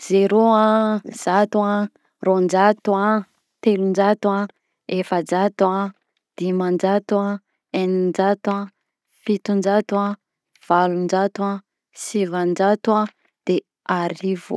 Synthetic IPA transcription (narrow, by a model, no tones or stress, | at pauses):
z̥eɾoaz̥at̪ua | rond͡ʒat̪ua | t̪elund͡ʒat̪wa | efəd͡ʒat̪ua | d̪̥imand͡ʒat̪wa | enind͡ʒat̪a | fit̪und͡ʒat̪a | v̥alund͡ʒat̪wa | sivand͡ʒat̪ua | d̪̥e | aɾivo̰